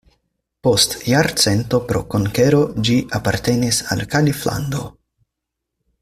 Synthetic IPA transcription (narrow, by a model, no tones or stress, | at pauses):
po̞stjaɾt͡se̞nt̪o̞pɾo̞̰koŋke̞ɾo̞d͡ʒiʔapaɾt̪e̞nisa̰lkalifla̰nd̪o̞